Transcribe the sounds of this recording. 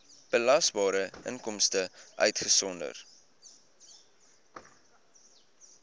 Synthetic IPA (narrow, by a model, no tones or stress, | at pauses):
b̥əlɐsbɑːɾəʔə̰ŋkɔmstəʔœ̰ɥtχəsɔndə̰r